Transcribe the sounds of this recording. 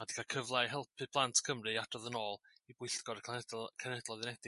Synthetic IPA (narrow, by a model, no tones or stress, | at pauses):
adi̥kʰakʰəvlˠajɦɛlˠpʰɨplˠantʰkʰəmrɨadɔðənɔːlˠ | ibwɪɬɡ̥ɔɾʰkʰɛnɛdlˠɔðɪnɛdɪ